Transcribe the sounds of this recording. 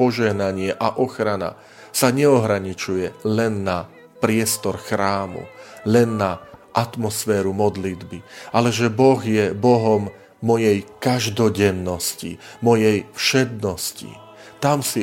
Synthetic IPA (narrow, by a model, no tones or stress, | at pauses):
ɔʒɛɦnaɲɪɛʔaʔɔxɾana̰ | saɲɛɔɦɾaɲit͡ʃujɛlɛnːa | pɾɪɛst̪ɔɾxɾaːmṵlɛnːaʔat̪mɔsfɛːɾumɔd̪lid̪biʔalɛʒɛbɔɣjɛbɔɦɔmː | ɔjɛjkaʒd̪ɔɟɛnːɔscḭmɔjɛjfʃɛd̪nɔscḭ | t̪amsi